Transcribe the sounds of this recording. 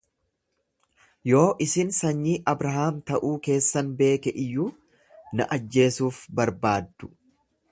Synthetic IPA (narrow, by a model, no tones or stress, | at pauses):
jo̞ːʔɪsɪnsɐɲːiːʔɐbɾɐɦaːmt̪ɐʔuːke̞ːsːɐnbe̞ːkɛʔɪjːuː | nɐʔɐd͡ʒːe̞ːsuːfbɐɾbaːd̪ːʊ̥